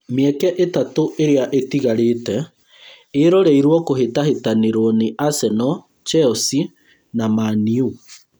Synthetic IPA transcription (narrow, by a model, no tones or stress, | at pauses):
meɛkɛʔetatoʔeɾeaʔetiɣaɾeːtɛ | eɾɔɾɛiɾwɔkoɦetaɦetaneɾoɔneʔasɛnɔ | t͡ʃɛɔsi | namaniu